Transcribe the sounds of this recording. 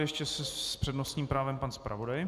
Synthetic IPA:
jɛʃcɛsɛspr̥ɛdnost̪ɲiːmpɾaːvɛmpanspɾa̰vo̞daj

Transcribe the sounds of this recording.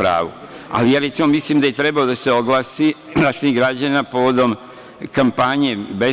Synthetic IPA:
ɾa̰ːʋua̰lijaːɾet̪simo̞misliːmd̪ajet̪ɾe̞balod̪ase̞o̞ɡlaːsid̪aseiɡɾad͡ʑanapo̞ʋo̞d̪o̞m | kampaɲe̞be̞

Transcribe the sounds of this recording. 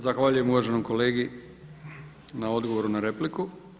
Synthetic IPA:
zaxʋaʎuje̞muʋaʒe̞nomko̞le̞ːɡi | nao̞d̪ɡo̞ʋo̞ɾunaɾe̞pliku

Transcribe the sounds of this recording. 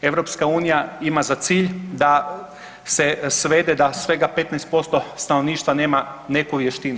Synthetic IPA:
e̞ʋɾopskauːnijaimazat̪siːʎd̪a | se̞sʋe̞d̪ed̪asʋe̞ɡape̞t̪nɛejst̪̚po̞st̪o̞st̪ano̞ʋniːʃt̪ʋane̞ːmane̞kuʋje̞ʃt̪inu

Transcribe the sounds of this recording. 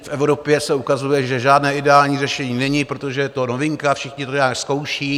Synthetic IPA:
fʔɛvɾo̞pjɛsɛukazujɛʒɛʒaːdnɛːɪdɛaːlɲiːrɛʃɛɲiːnɛɲɪpɾot̪o̞ʒɛt̪o̞no̞vɪŋkafʃɪxɲɪt̪oɲaːksko̞wʃiː

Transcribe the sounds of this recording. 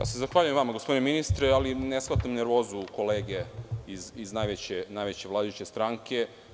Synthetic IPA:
ja̰ːsezaxʋaːʎujemʋamaɡospd̪ineminist̪ɾɛalinesxlat̪amneɾʋo̞ːzuko̞leːɡeiziznajʋet͡ɕenaːjʋet͡ɕeʋlˠaːd̪ajut͡ɕest̪ɾaːŋkʰe

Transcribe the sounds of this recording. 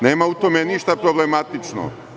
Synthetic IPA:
neːmaut̪omeniʃt̪apɾoblemat̪it͡ʃno̰

